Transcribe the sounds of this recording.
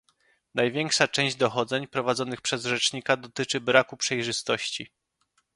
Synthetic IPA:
najvʲjɛŋkʂat͡ʂɛ̃ɲ̃ʑd͡ʑd̪ɔxɔd̪zɛɲpɾɔvad̪zɔnɘxpʂɛzʐɛt͡ʂɲikad̪ɔt̪ɘt͡ʂɘbɾakupʂɛjʐɘst̪ɔɕt͡ɕi

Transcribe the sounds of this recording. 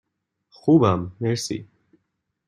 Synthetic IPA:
χuːbamːɛɾsḭ

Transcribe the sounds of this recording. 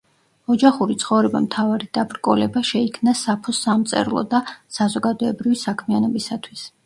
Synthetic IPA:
ɔd͡ʒaχuɾit̪sʰχɔvɾɛba̰mt̪ʰavaɾid̪̥abɾkʼɔlɛbaʃɛikʰmnasapʰɔsamt̪sʼɛ̰ɾlˠɔ̰d̪asazɔɡad̪ɔɛbɾivisakʰmianɔbisat̪ʰwis

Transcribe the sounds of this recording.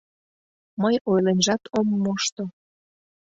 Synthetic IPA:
məjojlenʒɑt̪ʰomːoʃt̪o

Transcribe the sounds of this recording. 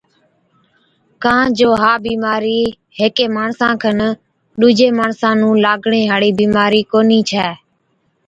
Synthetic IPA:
kãːd͡ʒoːɦaːbiːmaːɾiː | ɦeːkeːmaːɳsãːkʰən | ɗuːd͡ʒeːmaːɳsãːnũːlaːɡɳeːɦaːɽiːbiːmaːɾiːkoːniːt͡ʃʰɛː

